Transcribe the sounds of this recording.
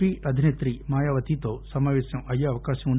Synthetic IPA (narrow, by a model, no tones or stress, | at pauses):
iːʔɐd̪ʱineːt̪ɾimaːjaːʋɐt̪it̪oːsɐmaːʋeːsɐmɐjːɐɐʋɐkaːʃɐmuɳ